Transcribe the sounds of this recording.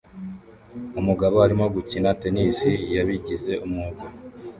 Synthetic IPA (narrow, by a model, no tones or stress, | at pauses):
umuɡaβoaɾimo̞ɡucinate̞nisijaβiɟize̞ʔumŋuɡo